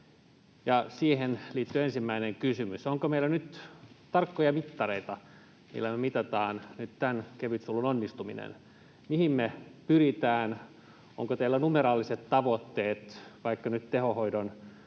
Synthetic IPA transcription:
jɑsiːɦenliːt̪ːyensimːæineŋkysymysoŋkomeilænyt̪t̪ɑrkːojɑmit̪ːɑreit̪ɑ | mḭlːæmemit̪ɑt̪ɑːnnyt̪t̪ænkeʋyt̪sulːunonːist̪uminḛn | mihimmepyrit̪æːn | o̰ŋkot̪eːlːænumeɾɑːlːiset̪tɑʋot̪ːeːt̪ʋɑikːɑnyt̪t̪ehohoidon

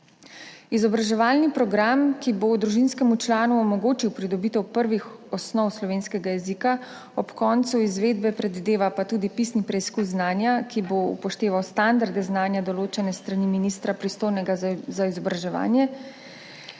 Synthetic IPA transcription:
izɔbɾaʒɛʋaːlnipɾɔɡɾamkibod̪ɾuʒinskɛmut͡ʃlaːnuɔmɔɡoːt͡ʃiwpɾid̪ɔbiːt̪ɛwpəɾʋixɔsnɔwslɔʋeːnskɛɡajɛzika | ɔpkɔːnt̪suizʋeːd̪bɛpɾɛd̪ʋid̪eːʋapat̪uːd̪ipisnipɾɛiskuzznaːnjakiboṵpɔʃt̪eːʋawst̪and̪aɾd̪ɛznaːnjad̪ɔloːt͡ʃɛnɛst̪ɾaniminiːst̪ɾapɾist̪oːjnɛɡazaizɔbɾaʒɛʋa̰ːnjɛ

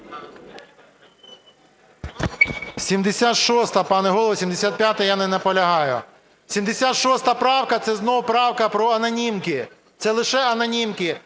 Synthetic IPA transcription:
sʲimd̪esʲat̪ʃɔst̪ɐpɑnɛɦɔlˠʋɔsʲimd̪esʲat̪̚pʲjat̪ɐjanɛnɐpɔlʲɐɦɑjʊ̰ | sʲimd̪esʲat̪ʃɔst̪ɐpɾɑwkɐt̪sɛznɔwʊpɾɑwkɐpɾɔɐnɐnʲimkɪ | t̪sɛlˠɪʃɛɐnɐnʲimkɪ

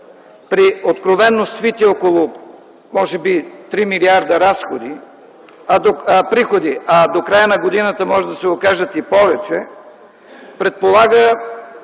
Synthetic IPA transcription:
pɾiot̪kɾovɛnːosvit̪iɔkolˠo | mɔʒɛbit̪ɾimiliaɾd̪ɐɾasxod̪i | ad̪opɾixod̪iad̪okɾajənɐɡod̪inət̪əmɔʒɛd̪ɐsɛokaʒət̪ipɔvɛt͡ʃɛ | pɾɛt̪̚polˠaɡə

